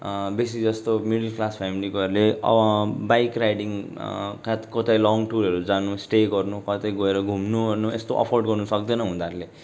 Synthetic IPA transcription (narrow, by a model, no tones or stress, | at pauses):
bes̬id͡zʌst̪omiɽlklaspʰamilikaɾuleʌ̰bʌbajkrajɖiŋkakʌt̪ajlɔŋɡʈuɾʌɾud͡zanusʈeɡʌrnukʌt̪ajɡʌeɾʌɡʱumnuʌnuest̪oʔʌ̰pʰorɖɡʌrnusʌk̚d̪ʌnʌɦũd̪aɾle